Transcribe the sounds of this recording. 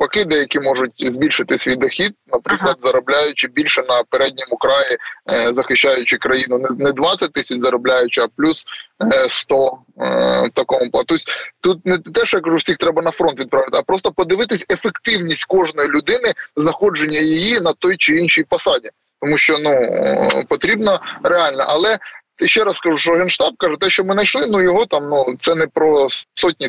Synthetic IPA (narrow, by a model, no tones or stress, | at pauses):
pɐkɪd̪ɛjɐkʲimɔʐʊt̚ʲzʲbʲilʲʃɪt̪ɪsʲʋʲid̪ɔxʲid̪̚nɐpɾɪklˠɐd̪zɐɾɐblʲajʊt͡ʃɪbʲilʲʃɛnɐpeɾɛdʲnʲimʊkɾɑjizɐxɪʃːajʊt͡ʃɪkɾɐjinʊnnɛd̪ʋɑsʲɐt̚ʲt̪ɪsʲɐt͡ʃzɐɾɐblʲajʊt͡ʃɪɐplʲusst̪ɔ | wt̪ɐkɔmʊplˠt̪ɔsʲt̪ut̪̚nɛt̪ɛʃjakɐʐuwsʲixt̪ɾɛbɐnɐfɾɔnt̪ʋʲid̪pɾɑʋʲɪt̪ɪɐpɾɔst̪ɔpɔd̪ɪʋɪt̪ɪsʲefekt̪ɪwnʲisʲtʲkɔʐnɔjilʲʊd̪ɪnɪznɐxɔd͡ʒenʲːɐjijinɐt̪ɔjt͡ʃɪinʃijpɐsɑdʲi | t̪ɔmuʃt͡ʃɔnupɔt̪ɾʲibnɔɾeɑlʲnɐ̰ʔɐlˠɛ | ʃt͡ʃːɛɾɐsskɐʐuʃɔɦɛnʃt̪ɑb̚kɑʒɛt̪ɛʃt͡ʃɔmɪnɐt͡ʃlˠɪnujɔɦɔt̪ɑmnut̪sɛnɛpɾɔsɔt̚ʲnʲi